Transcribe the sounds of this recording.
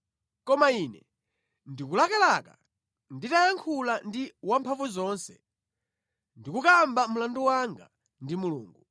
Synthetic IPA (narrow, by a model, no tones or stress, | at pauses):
kɔmainɛ | ndikulakalaka̰ | nditajaŋkʰulandiwampʰaɱvuzɔnsɛ | ndikukambamulanduwaŋɡa̰ | ndimulṵːŋɡu